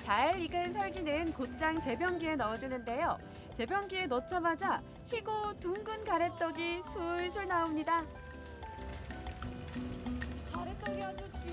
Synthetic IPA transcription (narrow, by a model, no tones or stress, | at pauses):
t͡ɕaɾiɡɯns̬ʰʌɭɡinɯnkot͡ɕ͈aŋt͡ɕe̞bjʌŋɡie̞nʌːd͡ʑinɯnde̞jo | t͡ɕe̞bjʌŋɡienʌt͡ɕʰamad͡ʑa | çiɡotuŋɡɯnkaɾe̞t͈ʌɡisʰuɭsʰuɭnaomɲida | kaɾet͈ʌɡiad͡ʑot͡ɕ͈ʰi